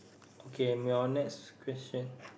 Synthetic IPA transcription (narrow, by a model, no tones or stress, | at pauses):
ʔokʰemiɔnɛkskʰwɛst͡ʃə̃n